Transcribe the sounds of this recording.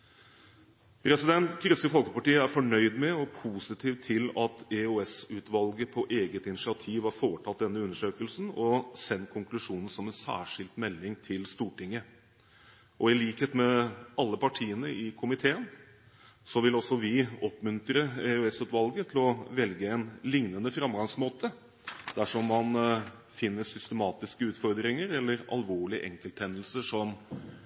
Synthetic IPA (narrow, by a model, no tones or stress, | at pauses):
pʰɾɛsɪd̪ɛnt̪kɾʏskəfɔlkəpɑʈiːəæɾfɔɳœʏd̪mɛɔpʰuːsɪt̪ʰiːʋt̪ʰːɪlɑt̪ɛøɛsʉːt̪ʋɑlɡəpʰɔʔeːɡət̪ɪnɪʂɪɑt̪ʰiːʋhɑɾfoːʈʰɑt̪̚d̪ɛnːəʉnːəʂøːkəlsn̩ɔsɛnt̪̚kʰʊŋklʉʂuːnən̩sɔmɛnsæ̰ːʂɪld̪t̪mɛlːɪŋt̪ʰɪlst̪uːʈɪŋːə | ʔɔɪliːkheːt̪mɛɑlːəpʰɑʈʰiːənəʔɪkʰʊmɪt̪ʰeːən | sɔʋɪlɔsːɔʋɪɔpmʉnt̪ɾəɛøɛsʉt̪ʋɑlɡət̪ʰɪlɔʋɛlɡəɛnlɪŋnənəfɾɑmɡɑŋsmoːt̪ə | d̪̥æʂɔmːɑn | fɪnːəʂʏst̪əmɑːt̪ɪskəʉːt̪fɔɾd̪ɾɪŋəɾɛlːəɾɑ̰lʋoːɭɪʔɛŋkəlt̪hɛnːəlsəʂɔm